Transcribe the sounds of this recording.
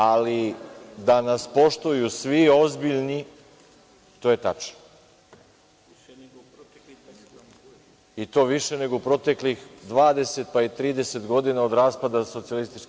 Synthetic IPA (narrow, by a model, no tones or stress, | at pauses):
alid̪anaspo̞ʃt̪ujusʋio̞zbiʎni | t̪o̞je̞t̪at͡ʃno | it̪o̞ːʋiʃe̞ne̞ɡoupɾo̞t̪e̞klixd̪ʋaːd̪e̞se̞t̪̚pait̪ɾiːd̪e̞se̞t̪ɡo̞d̪inao̞d̪ɾaːspad̪aso̞t̪sialist̪it͡ʃ